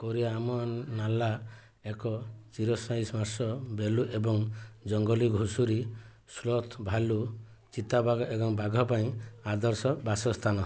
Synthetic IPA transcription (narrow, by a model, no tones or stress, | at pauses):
koɾiaːmɔnala | ekɔt͡ʃiɾɔsaĩsmaɾsɔbeluʔebɔŋd͡ʒɔŋɡɔliɡʱusuɾi | slɔt̪ʰbʱalu | t͡ʃit̪abaɡʱɔʔebɔŋbaɡʱɔpaĩad̪ɔɾsɔbasɔst̪ʰanɔ